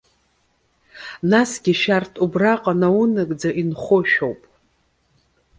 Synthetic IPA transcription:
nasɡʲiʃartʰʼubraqʼanaunɨkʼd͡zaʔinχʷoʃᶣowpʼ

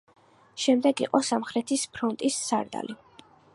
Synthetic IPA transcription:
ʃɛmd̪ɛɡḭqʼɔsamχɾɛt̪ʰispʰɾɔnt̪ʼisːaɾd̪a̰li

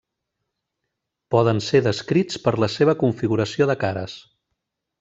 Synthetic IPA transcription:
pɔðənseðəskɾit͡spəɾləseβ̞əkuɱfiɣuɾəsioðəkaɾə̰s

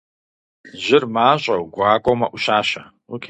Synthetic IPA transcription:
ʑɪrmaːɕʼɐwɡʷaːkʷʼomɐ̰ʔʷʊʃaːɕɐ | ʊkʰ

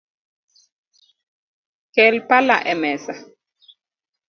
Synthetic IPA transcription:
kɛlpalaʔɛmɛsa

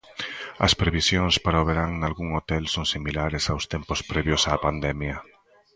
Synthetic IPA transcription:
ɐ̰spɾeβisjoŋspaɾaoβ̞eɾaŋnalɣuŋot̪ɛlsoŋsimilaɾesawst̪empospɾɛβjosaːpand̪ɛmja

